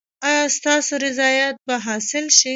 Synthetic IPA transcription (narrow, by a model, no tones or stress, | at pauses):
ɑjɑst̪ɑsoɾɪzɑjɑt̪̚baɦɑsɪlʃi